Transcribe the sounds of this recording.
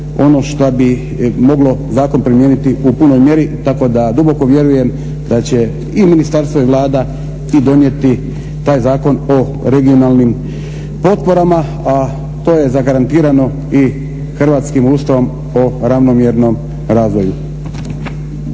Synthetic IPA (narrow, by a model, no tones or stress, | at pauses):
o̞no̞ʃt̪abi | mo̞ɡlo̞zaːko̞npɾimjeːnit̪iʔupuno̞jmje̞ɾit̪ako̞d̪ad̪ubo̞ko̞ʋje̞ɾuje̞m | d̪at͡ɕe̞ | iminist̪aɾst̪ʋoiʋlˠaːd̪a | id̪o̞nje̞t̪i | t̪aːjzaːko̞no | ɾe̞ɡio̞naːlˠnim | po̞t̪po̞ɾama | a | t̪o̞ːje̞zaɡaɾant̪iːɾano̞ | i | xr̩ʋaːt̪skimuːst̪aʋom | oɾaʋno̞mjeɾno̞m | ɾaːzʋo̞ju